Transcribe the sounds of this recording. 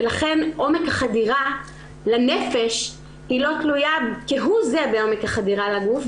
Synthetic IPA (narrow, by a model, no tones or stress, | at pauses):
elaχe̞nʔo̞mekhaχadiʁa | lanefe̞ʃ | hilo̞tlujakiɦuzebeo̞mekhaχadiʁalaɡuf